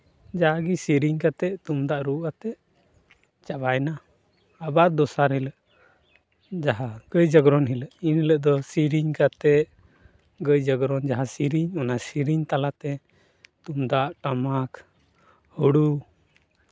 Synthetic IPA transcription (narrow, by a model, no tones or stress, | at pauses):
d͡ʒaɦaɡisiɾiɲkat̪ɛʔt̪umd̪aʔɾuʔat̪ɛʔ | t͡ʃabajna | abaɾd̪ɔsaɾhɛləʔ | d͡ʒaɦaɡ̥əjd͡ʒəɡɾɔnɦiləʔinləʔd̪ɔsiɾiɲkat̪ɛʔ | ɡəjd͡ʒəɡɾɔnd͡ʒaɦasiɾiɲɔnasiɾiɲt̪alat̪ɛ | t̪umd̪aʔʈamak | huɽu